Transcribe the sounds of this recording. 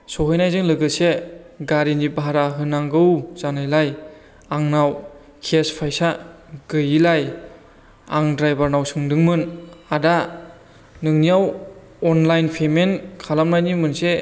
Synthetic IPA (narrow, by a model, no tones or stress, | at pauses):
sɔɦɯjnajzɯŋlɯɡɯseɡaɾinibaɦaɾaɦɯnaŋɡɯwzanajlaj | aŋnaw | kʰespʰajsa | ɡɯjilaj | aŋdɾajbaɾnawsɯŋdɯŋmɯnada | nɯŋnijaw | ɔnlajnpʰemenkʰalamnajnimɯnse